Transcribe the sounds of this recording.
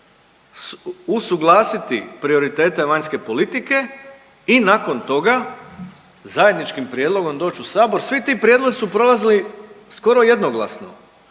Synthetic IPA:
susuɡlˠaːsit̪ipɾio̞ɾit̪e̞ːt̪e̞ʋaɲske̞po̞lit̪ike̞ | inako̞nt̪o̞ɡa | zaje̞d̪nit͡ʃkimpɾijed̪lˠo̞ɡo̞md̪o̞ːt͡ɕusaːbo̞ɾsʋit̪iːpɾjed̪lo̞zisupɾo̞lˠazilisko̞ɾo̞je̞d̪no̞ɡlˠa̰sno̰

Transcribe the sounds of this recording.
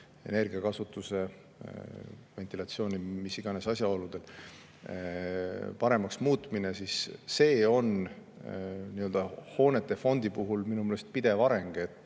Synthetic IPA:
e̞ne̞rɡ̥iɑkɑsut̪ːˑuse̞ | ve̞nt̪ˑilɑt̪sio̞ːnimisiɡ̥ɑne̞sɑsʲjɑo̞lud̪̥e̞l | pɑɾe̞mɑksmuːt̪ˑmine̞sisːe̞ːo̞n | niøld̥̪ɑho̞ːne̞t̪ːˑe̞fo̞nd̪̥ipuɦulminumelest̪̚pid̪̥e̞vɑɾe̞ŋɡ̥et̪ːˑ

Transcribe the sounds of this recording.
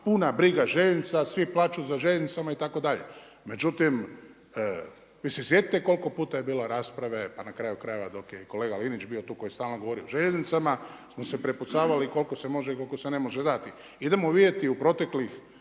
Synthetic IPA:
punabɾiɡaʒeʎeznit̪sasʋiplˠaːt͡ʃuzaʒeʎeznit̪samait̪ako̞d̪aʎḛ | me̞d͡ʒut̪im | ʋisesjet̪eko̞lko̞puːt̪ajebiːloɾaːspɾaʋe̞panakɾaːjukɾaːjeʋad̪o̞kjeko̞le̞ːɡalinit͡ʃbiot̪uːko̞jest̪aːlno̞ɡo̞ʋo̞ɾioʒeʎeznit̪samasmosepɾeput̪saːʋaliko̞lkose̞mo̞ʒeko̞lkosene̞mo̞ʒed̪at̪i | id̪e̞moʋid̪jet̪iupɾo̞t̪e̞klix

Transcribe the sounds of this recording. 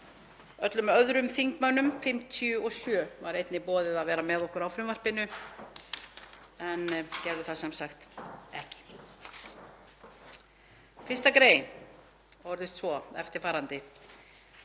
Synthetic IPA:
œt̪lʏmœðɾʏmθiŋkmœnʏmfɪm̥t̪ʰjʏɔɣsjœːvaɾejt̪nɪpɔːðɪðaðvɛːɾamɛðɔhkʏɾawfɾɪmvar̥pɪnʏ | ɛncɛɾðʏθasɛmsaxt̪ɛ̰hcɪ̥ | fɪr̥st̪akɾeːjn | hɔɾðɪst̪svɔɛ̰ft̪ɪɾ̥faːɾant̪ɪ

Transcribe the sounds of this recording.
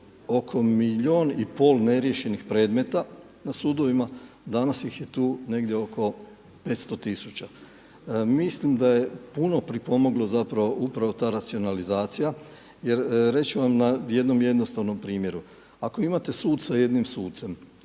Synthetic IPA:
o̞kʰo̞miʎoːnipo̞ːlˠne̞ɾje̞ʃe̞nixpɾe̞ːd̪me̞t̪a | nasuːd̪o̞ʋima | d̪anasjixje̞t̪uːne̞ɡd̪ʲjeo̞ko̞ | pe̞t̪st̪o̞t̪isut͡ɕa | mislimd̪aje̞puno̞pɾipo̞mo̞ɡlˠo̞zapɾaʋo̞ʔupɾaʋo̞t̪aːɾat̪sio̞nalizaːt̪sija | je̞ɾɾe̞t͡ɕuʋamnaje̞d̪no̞mje̞d̪nost̪aʋno̞mpɾiːmje̞ɾu | akoimat̪e̞suːd̪saje̞d̪nimsuːd̪t̪se̞m

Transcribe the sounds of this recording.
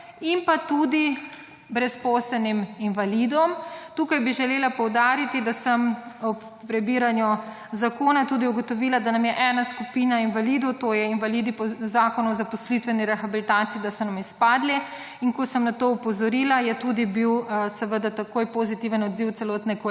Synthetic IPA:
impat̪uːd̪i | bɾɛspoːsɛniminʋalid̪ɔmt̪uːkajbiʒɛleːlapɔwd̪aːɾit̪id̪asəmɔpːɾɛbiːɾanjɔ | zakoːnat̪uːd̪iuɡɔt̪ɔʋiːlad̪anamjɛʔɛːnaskupiːnainʋalid̪ɔt̪ojɛinʋalid̪ipɔzaːkɔnɔɔzapɔslit̪ʋɛniɾɛxabilit̪aːt̪siːd̪asɔnamispaːd̪lɛ | iŋkɔsəmnat̪oːupɔzɔɾiːlajɛt̪ud̪ibiwsɛʋəd̪at̪akoːjpozit̪iʋənɔd̪ziwt̪sɛlɔːt̪nɛk

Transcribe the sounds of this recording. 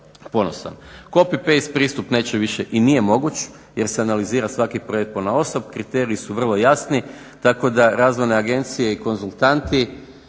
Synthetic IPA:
po̞no̞sa̰nko̞pipeispɾiːst̪upneːt͡ʃeʋiʃeʔinije̞mo̞ɡut͡ɕ | je̞ɾseanaliziːɾasʋakipɾojet̪̚ponao̞so̞b̚kɾit̪e̞ɾiːsuʋr̩lˠo̞jasni | t̪ako̞d̪aɾaːzʋo̞jneaɡe̞nt̪sije̞iko̞nzulˠt̪ant̪i

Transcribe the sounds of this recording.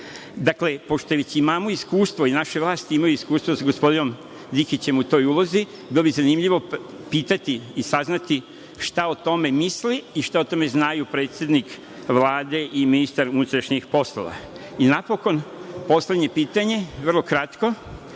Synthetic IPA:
d̪akle̞po̞ʃt̪oeʋet͡ɕimaːmoiskuːst̪ʋo̞inaʃeʋlˠaːst̪iimajuiskuːst̪ʋosaɡo̞spo̞d̪ino̞m | d̪ixit͡ɕe̞mut̪o̞ːjuːlˠo̞zi | bilo̞bizanimʎiʋo̞piːt̪at̪iːsaznat̪i | ʃt̪aot̪o̞me̞misliiʃt̪aot̪o̞me̞znajupɾe̞ːt̪sje̞d̪nik | ʋlaːd̪e̞ʔiminist̪aɾunut̪ɾaʃɲixpo̞slˠo̰ʋa̰inapo̞ko̞npo̞slʲed̪ɲe̞piːt̪aɲe̞ʋr̩lˠo̞kɾat̪ko

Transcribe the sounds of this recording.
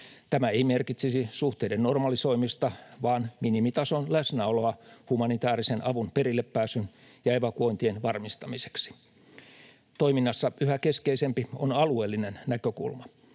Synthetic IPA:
t̪æmæeimerkit̪sisisuht̪eidenno̞rmɑliso̞imist̪ɑʋɑːnminimit̪ɑsonlæsnæoloɑhumɑnit̪æːrisenʔɑʋunpeɾilːeppæːsyn | jɑepækuont̪ienʋɑrmist̪ɑmise̥ksi̥ | t̪o̞iminːɑsːɑyhæke̞skeisempionɑlueːlːinennækøkṵlmɑ

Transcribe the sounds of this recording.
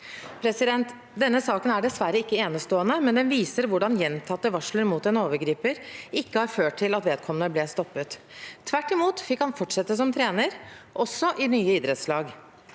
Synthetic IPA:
pʰɾɛsɪd̪ɛnt̪ | d̪ɛnːəsɑːkənæɖɛsʋæɾəɪkːəeːnəst̪oːənəmɛnd̪ɛnʋiːsəɾʋʊɖɑnjɛnːt̪ʰɑt̪ːəʋɑʂləɾmuːt̪ɛnoːʋəɾɡɾiːpəɾɪkːəhɑɾføːʈʈʰɪlɑt̪ʋeːd̪̚kʰɔmənəblɛːst̪ɔpːət̪ | t̪ʰːʋæʈːɪmuːt̪fɪkhɑnfɔʈʂɛt̪ːəs̬ɔmt̪ʰɾeːnəɾʔɔsːɔʔɪnyːəɪd̪ɾət̪slɑːɡ

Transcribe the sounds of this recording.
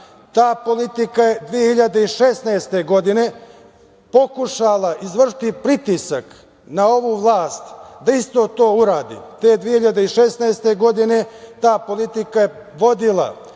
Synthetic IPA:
t̪aːpo̞lit̪ikaje̞d̪ʋijehiʎad̪eiʃesnaest̪e̞ɡo̞d̪ine̞ | po̞kuʃalaʔizʋr̩ʃi̥t̪ipɾit̪isak | nao̞ʋuːʋlˠaːst̪d̪aist̪o̞ːt̪oːuɾaːd̪ḭːt̪eːd̪ʋijehiʎad̪eiʃesnaest̪e̞ɡo̞d̪ine̞t̪aːpo̞lit̪ikaje̞ | ʋo̞d̪ilˠa̰

